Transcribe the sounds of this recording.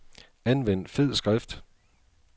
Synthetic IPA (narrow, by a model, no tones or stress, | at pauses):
ænʋen̰d̥fe̝ð̰ˠsɡ̥ʁafd̥